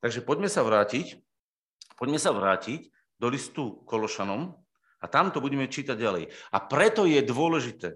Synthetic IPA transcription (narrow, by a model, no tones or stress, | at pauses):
t̪aɡʒɛpɔɟmɛsaʋɾaːcic | pɔɟmɛsaʋɾaːcic | d̪ɔlist̪ukɔlɔʃanɔm | at̪amt̪ɔbuɟɛmɛt͡ʃiːt̪aɟːalɛ̰japɾɛt̪ɔjɛd̪ʋʊɔlɛʒit̪ɛː